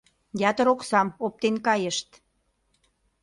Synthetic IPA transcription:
jɑt̪ə̆ɾoksɑmop̚t̪enkɑjə̆ʃt̪

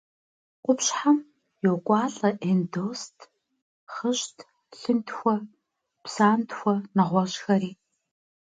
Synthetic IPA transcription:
qʷʊpɕħam | jokʷʼɑːɬɐʔendoːstʰ | χəɕtʰ | ɬɨntxʷɔ | psaːntxʷɔnɐʁʷɔɕxɐriː

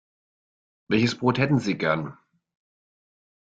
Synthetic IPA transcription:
vɛlçəsb̥ʁoːthɛtn̩ziːɡɛɐn

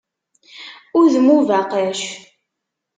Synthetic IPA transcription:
ʊɾðmuvæqəʃ

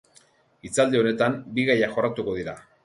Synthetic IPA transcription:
it͡sald̪eo̞ne̞t̪ambiɣajaxo̞rat̪uko̞ð̞iɾa

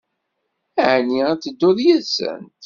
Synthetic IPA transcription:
æʕniæt͡sːəd̪ːʊðjæðsə̰nt̪

